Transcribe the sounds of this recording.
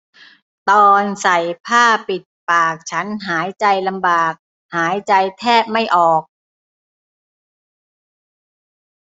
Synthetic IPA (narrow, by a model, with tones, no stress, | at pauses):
t̪ɔː˧nsa˨˩jpʰaː˥˩pi˨˩t̪̚paː˨˩k̚t͡ɕʰa˦˥nɦaː˩˦jt͡ɕa˧jla˧mbaː˨˩k̚ | haː˩˦jt͡ɕa˧jt̪ʰɛː˥˩p̚ma˥˩jʔɔː˨˩k̚